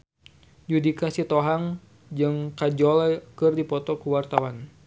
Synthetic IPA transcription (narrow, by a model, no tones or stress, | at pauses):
d͡ʒudikasit̪ɔɦaŋ | d͡ʒɨŋkad͡ʒɔlkɨrdipɔt̪ɔkuwart̪awan